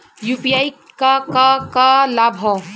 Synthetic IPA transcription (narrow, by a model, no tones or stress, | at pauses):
jupijaj | kakakalabʱɔ